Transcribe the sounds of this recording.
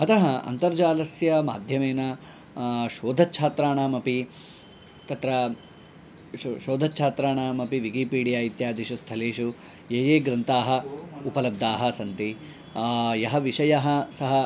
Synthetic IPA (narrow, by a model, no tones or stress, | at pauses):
ɐt̪ɐɦɐɐ̰nt̪ɐɾd͡ʒaːlɐsjɐma̰ːd̪ʱjɐmeːnɐ | ʃoːd̪ʱɐʃʰaːt̪ɾaːɳaːmɐpi | t̪ɐt̪ɾɐ | ʃoːd̪ʱɐtːʃʰaːt̪ɾaːɳaːmɐpiʋikiːpiːɽijaːjit̪jaːd̪ʱiʃust̪ʰɐleːʃu | jeːjeːɡɾɐnt̪aːɦɐupɐlɐb̚d̪aːɦɐsɐnt̪i | jɐɦɐʋiʂɐjɐɦɐ̆sɐɦɐ